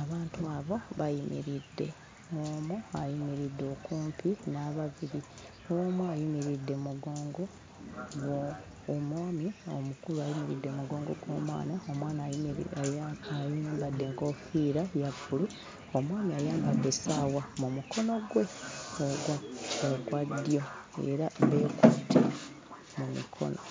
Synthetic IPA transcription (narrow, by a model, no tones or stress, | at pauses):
aβaːntuaβo̞βajimḭɾidːe̞̰ | omoajimiɾidːo̞kuːmpinaβaβiɾi | omoajimiɾidːe̞muɡo̞ːŋɡo̞ | ɡo | omwaːmio̰mukuluajimiɾḭdːe̞muɡo̞ːŋɡo̞̰ɡwo̞̰ːmwa̰ːnaomwaːna | ajimbadːe̞ŋɡo̞fiːɾajapːulu | omwaːmiajaːmbad̪ːe̞sawamumuko̞no̞ɡwe̞oɡaːɡwadːjo̞e̞̰ɾaβeːkutʰi | mumḭkʰo̞̰no̰